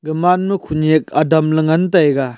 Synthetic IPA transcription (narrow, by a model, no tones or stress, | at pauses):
ɡɯmanmɯkʰunek̚adɐmlɐŋantajɡa